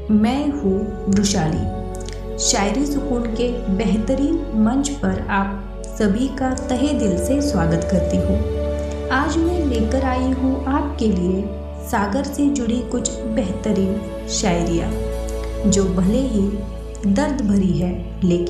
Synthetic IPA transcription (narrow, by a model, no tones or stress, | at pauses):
mɛ̃ːɦũ | ɾʊʃaːlḭː | ʃaːɪɾisʊkuːnkebɛɦt̪əɾiːnmɐ̃ɲt͡ʃpɐɾaːp̚ | sɐbʱikat̪ɐɦed̪ɪlseswaːɡət̪kɐɾt̪iɦũː | aːd͡ʒmẽleːkəɾaːiɦũʔaːp̚kelie | saːɡəɾsed͡ʒʊɽikʊt͡ʃʰbɛɦt̪əɾiːn | ʃaːɪɾija̰ː | d͡ʒoːbʱɐleɦi | d̪ɐɾd̪ʱbʱɐɾiɦɛː | leːkɪ